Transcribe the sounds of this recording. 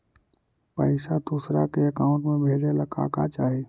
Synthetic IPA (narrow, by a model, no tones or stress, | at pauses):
pəɪʃad̪uːsɾakeəkaːʊ̃ɳʈmẽbʱeːd͡ʒeləka̰ːkat͡ʃaːɦeː